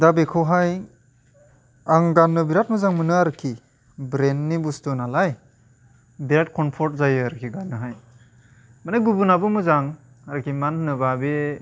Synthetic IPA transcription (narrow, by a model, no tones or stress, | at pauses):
dabekʰɯwɦaj | aŋɡanːɯbiɾat̚mɯzaŋmɯnɯaɾɯkʰi | bɾenːibustunalaj | biɾat̚kʰɔnpʰɔɾt̚zajɯaɾkʰiɡanːɯɦaj | manajɡubunabɯmɯzaŋ | aɾɯkʰimanːɯbabe